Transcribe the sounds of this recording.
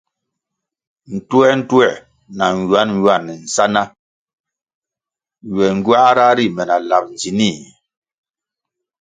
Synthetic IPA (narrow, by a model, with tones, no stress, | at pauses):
n̩˨twɛ˦n̩˦twɛ˦˨ | na˨ŋ˨wa˦n˦wa˦˨nːɛ˨n̩˨sa˦na˦ | ɥwɛ˨ŋ˦ɡɥa˦ɾa˦ɾi˦˨mɛ˨na˨la˨p̚n˨d͡zi˨ni˦˨